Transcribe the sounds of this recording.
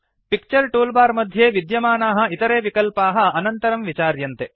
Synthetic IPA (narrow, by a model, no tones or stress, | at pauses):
pik̚t͡ʃɐɾʈuːlbaːɾmɐd̪ʱjeːʋid̪jɐmaːnaːɦɐ̆it̪ɐɾeːʋikɐlpaːɦɐɐnɐnt̪ɐɾɐmʋit͡ʃaːɾjɐnt̪e